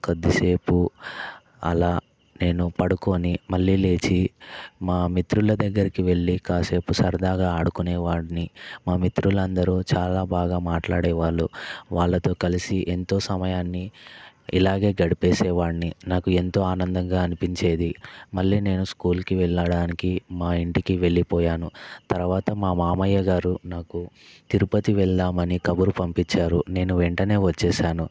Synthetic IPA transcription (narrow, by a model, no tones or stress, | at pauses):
kɐd̪ːise̞ːpu | ɐ̰laː | ne̞ːnupɐɽuko̞ːnimɐɭːiːle̞ːt͡ʃimaːmit̪ɾulɐd̪ɐɡːɐɾikiʋe̞ɭːikaːse̞ːpusɐɾd̪aːɡaːaːɽukunɛːʋaːɽinimaːmit̪ɾulɐnd̪ɐɾuːt͡ʃaːlaːbaːɡaːmaːʈlaːɽɛːʋaːɭːuʋaːɭːɐt̪o̞ːkɐlisiʔent̪o̞ːsɐmɐjaːnːi | ḭlaːɡe̞ːɡɐɽipeːsɛːʋaːɽninaːkue̞nt̪o̞ːaːnɐnd̪ɐŋɡaːɐnipiɲt͡ʃe̞ːd̪imɐɭːiːne̞ːnuskuːlkiʋɛɭːɐɽaːnikimaːiɳʈikiʋe̞ɭːipɔːjaːnut̪ɐɾʋaːt̪ɐmaːmaːmɐjːɐɡaːɾunaːku | t̪iɾupɐt̪iʋɛɭd̪aːmɐnikɐbuɾupɐmpit͡ʃːaːɾune̞ːnuʋeɳʈɐne̞ːʋɐt͡ʃːɛːʃaːnu